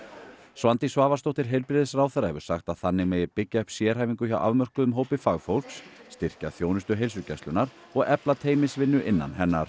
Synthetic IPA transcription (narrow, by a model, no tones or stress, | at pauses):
svant̪isvaːvast̪owht̪ɪɾ̥ɦejlpɾɪðɪsɾawθɛjrːahɛvʏɾ̥saxt̪aðθanːɪɣmeːjɪɾpɪcːaœhpsjɛːɾ̥ɦajviŋkʏçawʔa̰vmœr̥kʏðʏmɦoːwpɪfaɣfowl̥ksːt̪ɪr̥caθjownʏst̪ʏɦejls̬ʏcɛst̪ʏnaɾ | ɔɣɛplat̪ʰeːjmɪsvɪnːʏʔɪnːa̰nɦɛnːaɾ̥